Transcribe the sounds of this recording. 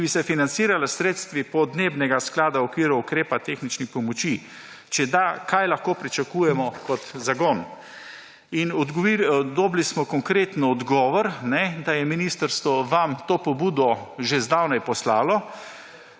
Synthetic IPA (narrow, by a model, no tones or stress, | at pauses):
bisɛfinant̪siːɾalasɾeːt̪st̪ʋipɔd̪neːbnɛɡasklaːd̪aɔkʋiːɾuukɾeːpat̪exnit͡ʃnixpɔmɔt͡ʃi | t͡ʃɛd̪akajlaxkoːpɾit͡ʃakuːjɛmɔkɔt̪zaɡɔːn | inɔd̪ɡɔʋid̪ɔblismɔkɔŋkɾeːt̪nɔd̪ɡɔːʋɔɾnɛd̪ajɛminist̪əɾst̪ʋɔʋamt̪oːpɔbuːd̪ɔʒezd̪awnajpɔslaːlɔ